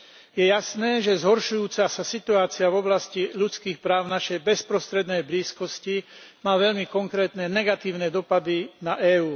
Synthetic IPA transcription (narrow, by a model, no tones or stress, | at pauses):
jɛjasnɛːʒɛzɦɔɾʃujuːt͡sasasit̪uaːt͡siavɔblasciʎut͡skiːxpɾaːʊnaʃɛjbɛspɾɔst̪ɾɛd̪nɛjbliːskɔscimaːʋɛʎmikɔŋkɾɛːt̪nɛnɛɡat̪iːʊnɛd̪ɔpad̪inaʔɛːuː